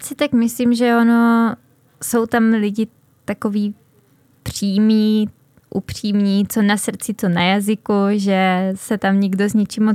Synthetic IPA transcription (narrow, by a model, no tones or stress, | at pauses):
sɪt̪akmɪslimʒɛono̞ | so̞wt̪amlɪɟɪ | t̪ako̞viː | pr̝̥iːmɲiː | ʔupr̝̥iːmɲiːt͡so̞nasr̩t͡sɪt͡so̞najazɪkuʒɛsɛt̪amɲɪɡdo̞zɲɪt͡ʃimo